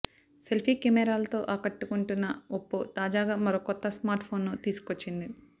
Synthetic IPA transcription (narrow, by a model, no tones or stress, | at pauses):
se̞lpʰiːkɛmɛːɾaːlɐt̪o̞ːʔaːkɐʈːukuɳʈunːɐopːut̪aːd͡ʒaːɡaːmɐɾoːkɔt̪ːɐsmaːɾʈpʰo̞ːnːoːt̪iːsu̥kot͡ʃːind̪i